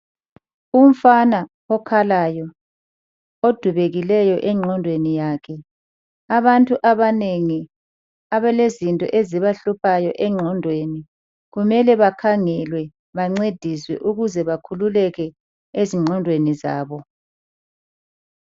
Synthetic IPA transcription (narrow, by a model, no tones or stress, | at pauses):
um̩fana | ɔkʰalajɔ | od̥ʱuβeɣilɛjɔʔɛŋ͡ǃʱɔndʱwenijaːkʰɛ | aβantʼuʔaβaneŋi | aβɛlezintʼɔ̰ʔeziβaɬupʰajɔʔɛŋ͡ǃʱɔndʱweni | ɣumɛlɛβakʰaŋɛlwɛ | βaŋ͡ǀed̥ʱiswɛ̰ʔuɣuzɛβakʰululɛɣɛ | eziŋ͡ǃʱɔndʱweniza̰ːβɔ